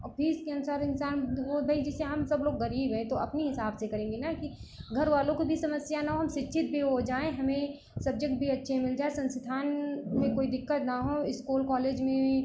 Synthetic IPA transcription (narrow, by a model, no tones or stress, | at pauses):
pʰiɪskeɐnʊsaːɾɪnsaːnʋobʱɐid͡ʒɛseɦɐmsɐbloːɡːɐɾiːbɦɛ̃t̪oɐpniɦɪsaːbsekɐɾẽːŋɡenakiɡʱɐɾʋaːlõkibʱisɐməsjanaɦoɦɐmʃɪtːʃʰɪt̪̚bʱiɦod͡ʒaːẽɦɐmẽ | sɐb̚d͡ʒek̚ʈ̚bʱiɐtːʃʰemɪld͡ʒaːesɐ̃nsɪd̪ʱaːnmẽkoːid̪ɪkːət̪naɦoɪskuːlkɔːleːd͡ʒmẽ